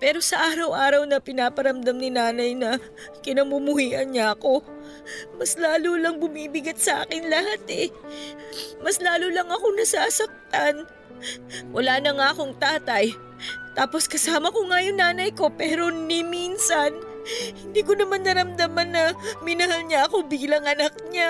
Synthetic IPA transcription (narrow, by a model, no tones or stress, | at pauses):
pɛːɾo̞sɐʔaːɾɐwʔaːɾɐwnɐpɪnaːpɐɾɐmd̪ɐmnɪnaːnɐjnɐ | kɪnɐmʊmʊhiːʔɐnɲaɐko̞ | mɐslaːlulɐŋbʊmiːbɪɡɐt̪̚sɐʔa̰ːkɪnlɐhat̪ɛ | mɐslaːlulɐŋɐko̞nɐsaːsɐk̚t̪an | wʔɐlaːnɐŋaʔɐko̞ŋt̪aːt̪ɐj | t̪aːpo̞skɐsaːmɐko̞ŋajoŋnaːnɐjko̞pɛːɾo̞nɪminsɐn | hɪnd̪iːko̞nɐmanːɐɾɐmd̪amɐnːɐmɪnɐɦalɲɐʔɐko̞biːlɐŋʔɐnɐk̚ɲa